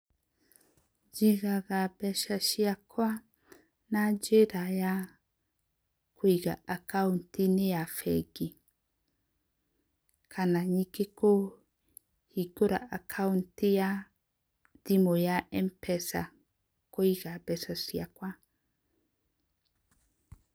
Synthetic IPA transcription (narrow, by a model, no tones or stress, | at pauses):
d͡ʒiɣaɣabɛʃaʃiakwa | nad͡ʒeɾaja | kʰoiɣa̰akauntinejafɛɡi | kʰanaɲikeko | hiɡoɾa̰ʔakʰauntija | dimojaʔɛmpɛsa̰ | koiɣabɛsasiakwa